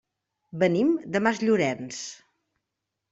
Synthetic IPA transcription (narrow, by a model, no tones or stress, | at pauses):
bənimd̪əmazʎuɾɛns